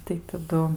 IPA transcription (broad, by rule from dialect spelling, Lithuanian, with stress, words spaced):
tɐɪ tɐˈdʊ